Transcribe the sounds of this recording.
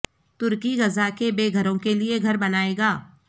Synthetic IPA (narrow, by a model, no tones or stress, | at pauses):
t̪ʊɾkiɣɐzakebeːɡʱɐɾõkelieɡʱɐɾbɐnaːeːɡaː